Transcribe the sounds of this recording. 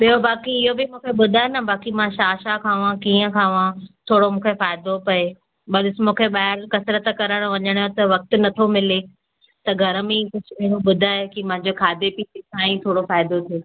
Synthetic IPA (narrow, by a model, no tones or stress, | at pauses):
ɓijobaːkiɪɦobɪmũːkʰeɓʊd̪ʱaːenɐbaːkimãʃaːʃakʰãːʋãkiːə̃kʰãːʋãt̪ʰoːɽomũːkʰefaːɪd̪opɐe | ɓɐlɪsmũːkʰeɓaːɪɾkɐsɾət̪kɐɾəɽ̃ʋɐɲəɽ̃jõt̪ɐʋɐk̚t̪̆nɐt̪ʰomɪle | t̪ɐɡʱɐɾəmẽikʊd͡ʑʱʊɪɦɪɽoɓʊd̪ʱaːkimɐ̃ɦɲd͡ʑokʰaːd̪ʱepiɪsãːĩt̪ʰoːɽofaːɪd̪ot̪ʰeː